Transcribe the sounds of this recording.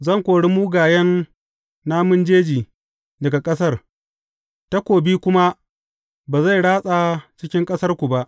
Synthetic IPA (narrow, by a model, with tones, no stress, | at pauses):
zɐ˦˨ŋkʷoː˨ɽi˦muː˦ɡaː˨jɛ˦nː | aː˦mʊ˦nd͡ʒeː˦d͡ʒiː˨ | dɐ˨ɡa˨kʼɐ˦s̬ɐ˦˨r | ta˦kʷoː˨biː˦kʷʊ˦ma˦ | baː˨za˦˨jɽaː˦sʼa˨t͡ʃɪ˦kʲɪ˦ŋkʼɐ˦sɐ˦rkʷu˨ba˦ʔ